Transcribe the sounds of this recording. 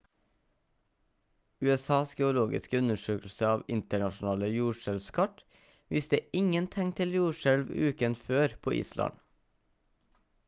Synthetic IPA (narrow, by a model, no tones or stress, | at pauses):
ʉːɛsɑːsɡɛʊloːɡɪ̰skəʉnəʃøːkl̩səɑːʋɪnt̪əɳɑʃn̩ɑːləjuːʃɛlʋskʰɑʈ | ʋɪst̪əɪŋənt̪ʰɛŋt̪ʰɪljuːʃɛlʋʉːkənføːɾpʰoːʔḭːslʔɑ̰n